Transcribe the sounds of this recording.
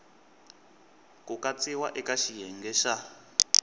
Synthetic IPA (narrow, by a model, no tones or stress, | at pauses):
kukat͡siwaʔɛkaʃijɛŋɡɛʃa